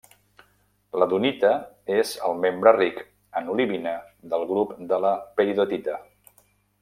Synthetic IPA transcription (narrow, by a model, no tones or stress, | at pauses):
ləðunit̪ə | ezəlˠmembɾərik | ənuliβinəd̪əlˠɣɾupd̪ələpəɾiðot̪it̪ə